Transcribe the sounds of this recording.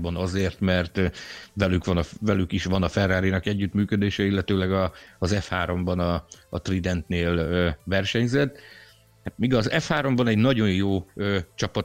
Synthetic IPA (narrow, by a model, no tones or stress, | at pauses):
bɒnɒzeːrt̪mɛrt̪vɛlykʋɒnɒvɛlykiʃʋɒnɒfɛrːaːɾinɒkɛɟːyt̪myːkød̪eːʃɛilːɛt̪øːlɛɡɒːzɛfhaːɾo̞mbɒnɒːt̪rid̪ɛnt̪neːløvɛrʃɛɲzɛt̪ː | hat̪miːɡɒzɛfhaːɾo̞mbɒnɛɟnɒɟo̞jjoːøːt͡ʃɒpɒ